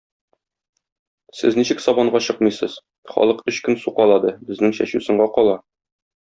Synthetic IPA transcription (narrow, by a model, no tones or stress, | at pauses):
sɘzniɕɘksɒbɑɴɢɑɕɤqmɤjsɤz̥ | χɒ̰lˠɤqɵɕkɵnsuqɑlˠɑd̪ɤbɘ̆znɘŋɕæ̰ɕʉsɤ̆ɴɢɑqɒlˠɑ